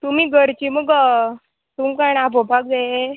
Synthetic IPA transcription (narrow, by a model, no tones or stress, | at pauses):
t̪umiːɡəɾt͡ɕiməɡə | t̪umkaɳabobʱak̚d͡za